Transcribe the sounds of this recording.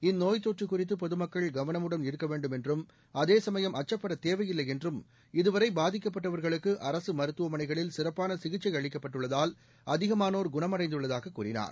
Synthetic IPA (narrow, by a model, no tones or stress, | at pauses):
ɪnːoːjt̪oːʈrɯkːʊrɪt̪̬ːɯpɔðɯmɐkːɐɭɡɐʋɐnɐmɯɽɐnɪɾɯkːɐʋeːɳɖɯmɛndrɯm | ɐðeːsɐmɐjɐmʔɐt͡ʃːɐpːɐɽɐt̪eːʋɐjɪlːɐɪjɛndrɯm | ɪðɯʋɐɾɐɪbaːðɪk̬ːɐp̬ːɐʈːɐʋɐɾɣɐɭɯkːɯʔɐɾɐsɯmɐɾɯt̪ːɯʋɐmɐnɐɪɣɐɭɪlsɪrɐpːaːnɐsɪɣɪt͡ʃːɐɪɐɻɪkːɐpːɐʈːɯɭːɐðaːl | ɐðɪɣɐmaːnoːɾɡʊɳɐmɐrɐɪnd̪ɯɭːɐðaːɣɐkːuːrɪna̰ːɾ